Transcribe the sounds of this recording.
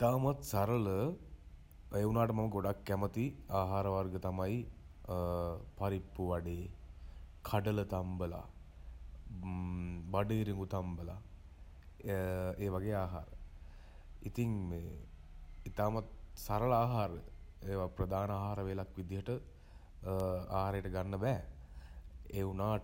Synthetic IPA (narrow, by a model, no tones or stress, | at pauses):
it̪aːmat̪saɾələ | eunaːʈəmaməɡoɖakːæmət̪iaːɦaːɾəʋarɡət̪amaj | paɾipːuʋaɖeː | kʰaɖələt̪ambəla̰ | baɖəːɾiŋɡut̪ambəla̰ | eːʋaɡeːaːɦa̰ːɾə | it̪iŋmeː | it̪aːmɐt̪saɾəɭaːɦaːɾəeːʋapɾəd̪aːnəaːɦaːɾəʋelakʋid̪ijəʈə | aːɦaːɾejəʈəɡanːəbɛː | eunaː